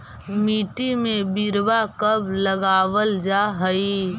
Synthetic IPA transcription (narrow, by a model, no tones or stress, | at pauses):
miːʈimẽbiɾbakəbləɡaːʋəld͡ʒaɦəi